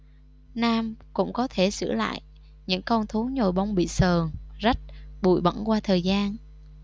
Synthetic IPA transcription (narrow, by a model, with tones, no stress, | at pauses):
naː˧mkʊ̰˧˥ŋ͡mkɔ˨˦t̪ʰe˧˩sɨ̰˧˩əla̰ː˧˨j | ɲɨ̰˧˥ŋkɔ˧nt̪ʰu˨˦ɲo˨˩jɓa˧wŋ͡mɓḭ˧˨səː˨˩ŋzə˦˥t̚ɓṵ˧˩˨jɓə̰˧˩nkwaː˧t̪ʰəː˨˩jzaː˧n